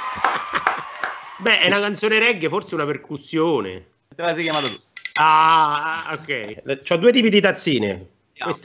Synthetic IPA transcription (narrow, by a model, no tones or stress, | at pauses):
bɛʔɛnakant̪soːneɾɛɡːeforseunaperkusːjoːnḛ | ɛt̪ːeas̬ɛjkjamaːt̪ot̪ua | okːɛjt͡ʃɔd̪ːuet̪̬iːpid̪it̪at̪sːiːnḛ | wes